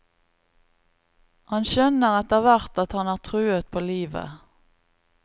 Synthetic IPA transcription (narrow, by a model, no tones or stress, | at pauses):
hɑnʃœnəʁɛt̪əʁʋæʁt̪ɑt̪hɑnæːʁt̪ʰʁʉːət̪̚pʰoːliːʋə̰